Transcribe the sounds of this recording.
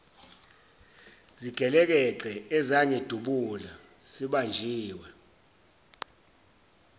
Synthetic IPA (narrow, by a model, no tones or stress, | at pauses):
ziɡ̥ʱɛlɛk̬ɛǃɛɛzaɲɛd̥ʱuɓula | siɓand͡ʒʱiːwɛ